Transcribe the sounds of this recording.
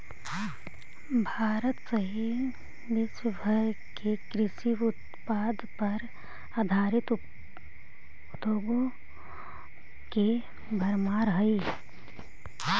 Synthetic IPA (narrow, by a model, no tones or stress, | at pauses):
bʱaːɾət̪səɦi | ʋ̪ɪʃwəbʱəɾ | kekɾɪʃiʊt̪ | paːd̪pɐɾ | aːd̪ʱaːɾɪt̪ | d̪ʱjoːɡõ | ke | bʱəɾmaːɾɦəi